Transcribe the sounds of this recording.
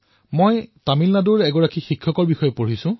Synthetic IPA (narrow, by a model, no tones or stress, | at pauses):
mojtamilnaduɹɛɡɔɹakixikʰːɔkɔɹbixɔjɔpoɹisʊ̃